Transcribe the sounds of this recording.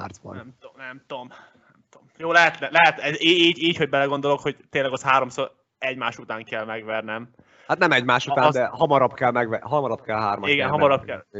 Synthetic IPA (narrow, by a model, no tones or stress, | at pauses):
a̰rzbɒ̰nɛmonɛmt̪om | nɛmt̪omjoːlɛɦɛt̪lɛlɛɦɛt̪ɛziːɟiːcho̞ɟ̚bɛlɛɡo̞n̪d̪olo̞kho̞ɟt̪eːnlɛɡɒsɦaːɾo̞msoːɾ | ɛɟmaːʃut̪aːŋkɛlmɛɡʋɛrnɛm | hat̪nɛmɛɟmaːʃut̪aːnd̪ɛɦɒmɒɾɒbkɛlmɛɡʋɛɦɒmɒɾɒbkɛlɦaːɾmɒiɡɛnɦɒmɒɾɒbkɛl